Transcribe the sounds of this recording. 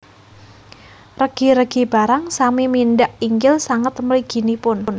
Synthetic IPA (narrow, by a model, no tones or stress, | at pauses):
rəɡ̥i̤ɾəɡ̥i̤b̥a̤ɾaŋsamiminɖaʔiŋɡɪlsaŋət̪məliɡ̥i̤nipʊnn